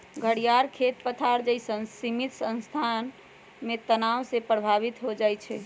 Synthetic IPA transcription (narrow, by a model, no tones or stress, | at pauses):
ɡʱəɽijaɾkʰet̪pət̪ʰaɾd͡ʒəisənsimit̪sə̃nst̪ʰan | met̪ənaʋsepɾəbʱaβit̪ɦod͡ʒajt͡ʃʰɛ̰